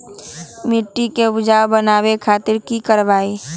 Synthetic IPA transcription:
mɪʈːiked͡ʒaːwbənaːwekʰaːt̪ɪɾkikəɾbaːi

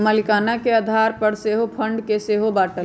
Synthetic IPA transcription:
malɪkaːnakeəːd̪ʱaːɾpəɾseːɦopʰə̃ɳɖkeseːɦobaːʈə

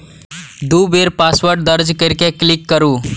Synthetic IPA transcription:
d̪ubʱeɾpasʋəʈ̚d̪əɾd͡ʒkeɾkeklikːəɾuː

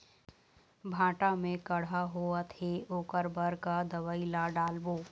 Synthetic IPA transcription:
bʱãːʈamẽkɐɽ̤aɦoːat̪ʰeoːkəɾbəɾkad̪ɐʋaːilaɖaːlboː

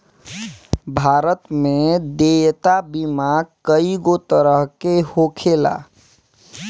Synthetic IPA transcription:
bʱaɾət̪med̪ejt̪abimaɡkəiɡot̪əɾəɦkehokʰela̰

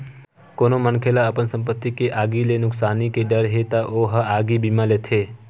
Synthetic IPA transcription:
konomənkʰelaəpənsə̃mpət̪ːikeʔaːɡilenʊksaːnikeɖəɾɦet̪aʔoɦəaːɡibiːmalet̪ʰe

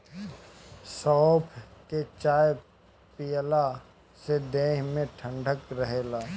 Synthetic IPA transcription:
sɔːpʰket͡ʃaːj | pijəla | sed̪eːɦmẽʈʰə̃ɳɖʱəkɾəɦeːlaː

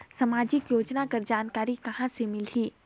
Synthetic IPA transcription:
sɐmaːd͡ʒɪkjoːd͡ʒnakɐɾd͡ʒaːnkaːɾikɐɦãsemɪlɦiː

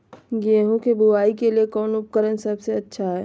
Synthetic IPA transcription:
ɡeːɦũkebʱuaːikeliekɔːnʊp̚kəɾənsɐbseɐtːʃʰaɦɛː

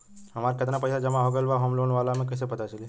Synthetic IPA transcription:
ɦəmaɾkət̪napəjsad͡ʒəmãɦəɡəlʋaɦomlonʋalamẽkəs̬epət̪at͡ʃʰəli

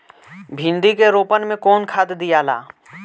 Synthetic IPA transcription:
bʱɪ̃nd̪ikeɾoːpənmẽkɔːnkʰaːd̪d̪ijaːla̰ː

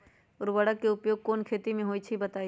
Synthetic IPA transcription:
ɔːɾʋɐɽəkːeʊpjoːɡ̚koːnkʰeːt̪imẽɦoːit͡ʃʰibɐt̪aːi

